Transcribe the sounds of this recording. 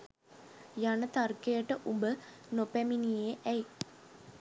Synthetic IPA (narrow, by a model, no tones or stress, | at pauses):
janət̪arkejəʈəʔumbənopæminijeʔɛj